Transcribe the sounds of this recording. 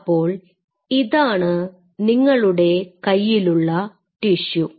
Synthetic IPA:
pːo̞ːɭ | iðaːɳɨ | niŋːɐɭuɽe̞kɐjːiluɭːɐ | ʈiʂu

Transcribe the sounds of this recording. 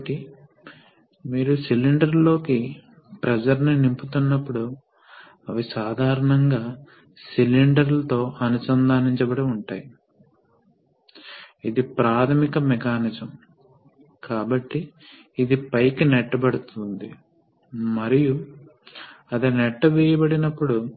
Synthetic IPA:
ʈːi | miːɾusiliɳɖɐɾlo̞ːki | pɾɐd͡ʒɐɾninimput̪unːɐpːuɽu | ɐʋisaːd̪ʱaːɾɐɳɐŋɡaː | siliɳɖɐɾlɐt̪o̞ːʔɐnusɐnd̪ʱaːniɲt͡ʃɐbɐɽiuɳʈaːji | id̪ipɾaːt̪ʰɐmikɐmɛkaːnid͡ʒɐm | kaːbɐʈːiː | d̪ipɐjkːinɛʈːɐbɐɽut̪und̪i | mɐɾiju | ɐd̪ɐnɛʈːɐʋɛːjɐbɐɽinɐpːuɽu

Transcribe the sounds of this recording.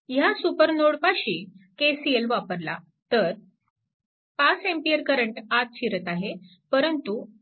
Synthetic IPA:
jasupəɾnoɽpaɕiːkesielʋapəɾla̰ | t̪əɾ | pasempijəɾkəɾəɳʈat̪̚t͡ɕʰiɾət̪aɦe | pəɾənt̪u

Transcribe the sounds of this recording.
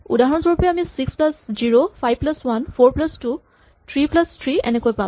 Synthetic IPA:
ṵdaɦɔnsɔɹpɔjɛamisiksplasziɹopʰajb̚plaswanpʰoɹplastu | tʰɹiplastʰɹiɛ̰nekojpa

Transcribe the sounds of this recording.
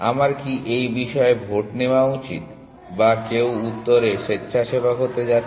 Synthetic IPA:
a̰maɾkiʔejbiʃɔebʱoʈneoaut͡ɕḭt̪ | bakewut̪ːoɾeʃetːɕʰʃʰaʃebakot̪ed͡ʑa

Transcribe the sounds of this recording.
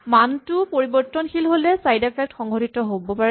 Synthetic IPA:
mantʊpoɹibɔɹtːɔnxilɦolɛsajdapʰɛk̚txɔŋɡʱɔtitɔɦobɔpaɹɛ

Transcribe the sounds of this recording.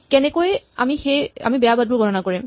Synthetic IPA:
kɛnɛkoja̰mixeja̰mibɛjabad̚bʊɹɡʱɔnɔnakoɹim

